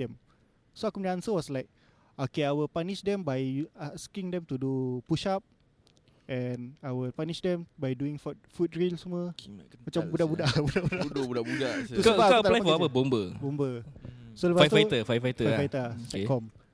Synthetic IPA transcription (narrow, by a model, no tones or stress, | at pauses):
dɛ̃m | soakumniansəwɔslaɪk̚ | okeajwəlpaniʃdɛmbajaskĩŋdɛ̃mt̪udupuʃap̚ | ʔɛnajwəlpaniʃdɛ̃mbajduĩŋfɔt̚fut̚ɹilsəmwəmat͡ʃambudabudaʔbudabudabudabudausubaat̪alamafaapəbombəbombəsoləvaajt̪fait̪əfajfajt̪əajfajt̪ətɛkɔm